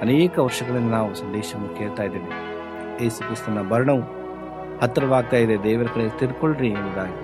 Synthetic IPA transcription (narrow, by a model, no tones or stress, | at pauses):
ɐneːkɐʋɐɾʂɐɡɐɭɐnːɐnaːʋusɐnd̪ɛːʃɐnːukeːɭt̪aːjid̪eːni | jeːsukɾist̪unɐbɐɾɐɳɐʋu | hɐt̪ːɾɐʋaːɡ̚t̪aːjid̪ed̪ɛːʋɐɾɐkɐɭet̪iɾkoɭɾindid̪aːɡɐ